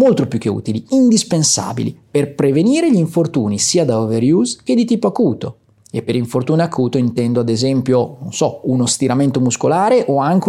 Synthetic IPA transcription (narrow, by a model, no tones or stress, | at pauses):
molt̪ɾopjukːeṵːt̪iliind̪ispensa̰ːbḭlḭperpɾeveniːɾeʎiiɱfort̪uːnisiːad̪aoveɾjuːzk̟ed̪it̪iːpoakuːt̪o | epːeɾiɱfort̪uːneakʰuːt̪oint̪ɛnd̪oad̪ezɛmpjononsɔunost̪iɾament̪omuskolaːɾeʔoaŋk̟